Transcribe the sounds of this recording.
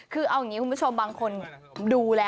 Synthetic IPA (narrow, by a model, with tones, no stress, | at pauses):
kʰɯː˧ʔa˧wja˨˩ŋːi˦ku˧mbt͡ɕʰo˧mbaː˧ŋkʰo˧n | duː˧lɛː˦˥